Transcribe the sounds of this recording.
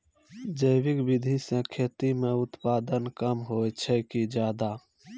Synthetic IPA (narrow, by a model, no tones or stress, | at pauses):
d͡ʒəjbɪkbɪd̪ʱisẽkʰeːt̪imẽʊt̪paːd̪ənkəmɦojt͡ʃʰɛkid͡ʒjaːd̪a